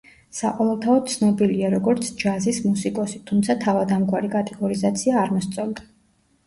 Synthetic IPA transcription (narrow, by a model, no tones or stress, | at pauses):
saqʼɔvɛlˠt̪ʰaɔd̪t̪sʰnɔbiliaɾɔɡɔɾt̪sʰd͡ʒazismusikʼɔsit̪ʰumt̪sʰat̪ʰavad̪amkʼwaɾikʼat̪ʼɛɡɔɾizat̪sʰiaːɾmɔst̪sʼɔlˠd̪ḁ